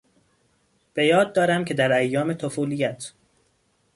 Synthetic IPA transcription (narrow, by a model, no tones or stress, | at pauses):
b̥e̞jɒːd̪̚ːɒːɾæmcʰe̞d̪æɾæjːɒːme̞t̪ʰofuːlijæt̪ʰ